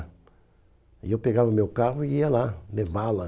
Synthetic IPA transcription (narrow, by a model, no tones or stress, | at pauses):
ḭewpeɡavɐʊmewkaɦʊiiɐlalevalɐ